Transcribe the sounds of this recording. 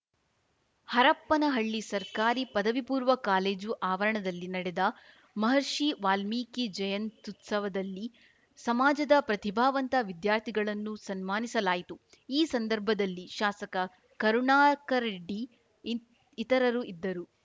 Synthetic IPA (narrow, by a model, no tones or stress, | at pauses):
hɐɾɐpːɐnɐɦɐɭːisɐɾkaːɾipɐd̪ɐʋipuːɾʋɐkaːleːd͡ʒuʔaːʋɐɾɐɳɐd̪ɐlːinɐɽɛd̪ɐ | mɐɦɐɾʂiʋaːlmiːkid͡ʒɐjɐnt̪ut̪sɐʋɐd̪ɐlːi | sɐmaːd͡ʒɐd̪ɐpɾɐt̪ibʱaːʋɐnt̪ɐʋid̪jaːɾt̪ʰiɡɐɭɐnːusɐnmaːnisɐlaːjit̪u | iːsɐnd̪ɐɾbʱɐd̪ɐlːiʃaːsɐkɐ | kɐɾuɳaːkɐɾɖi | t̪ɐɾɐɾuid̪ːɐɾu